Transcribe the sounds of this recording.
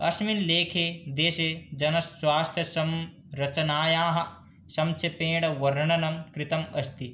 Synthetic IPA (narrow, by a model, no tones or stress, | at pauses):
ɐsminleːkʰed̪eːʃed͡ʒɐnɐswaːst̪ʰjɐsɐm | ɾɐt͡ʃɐnaːjaːɦɐ̆ | sɐmt͡ʃʰepẽːɽɐʋɐɾɐɳɐnɐmkɾɪt̪ɐmɐst̪i